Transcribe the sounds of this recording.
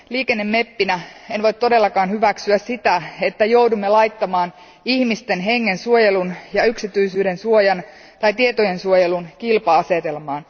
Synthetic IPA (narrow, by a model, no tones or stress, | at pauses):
liːke̞nːe̞mːe̞pːinæenʋo̞jt̪to̞de̞lːɑkɑːnhyʋæksyæssit̪æet̪ːæjo̞wdumːelɑjt̪ːɑmɑːn | ihmist̪e̞nɦe̞ŋːensuojelunjɑyksit̪yjsyːde̞nsuojɑn | t̪ɑjt̪iet̪oje̞nsuojelunkilpɑɑse̞t̪e̞lmɑːn